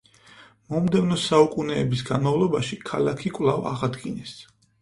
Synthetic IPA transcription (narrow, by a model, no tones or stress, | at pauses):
mɔmd̪ɛvnɔsaukʼunɛːbisɡanmavlˠɔbaʃikʰalakʰikʼwlˠava̰ʁad̪ɡinɛs